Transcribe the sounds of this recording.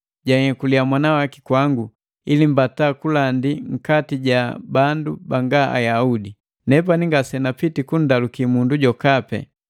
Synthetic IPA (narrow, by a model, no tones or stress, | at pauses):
ɟahɛkuliamwanawaki̥kwaŋɡu | ilim̩bataːkulandiŋ̩katiɟabandubaŋɡaʔa̰jaudi | nɛp̬aniŋɡasɛnapitikun̩dalukimunduɟɔkapɛ̰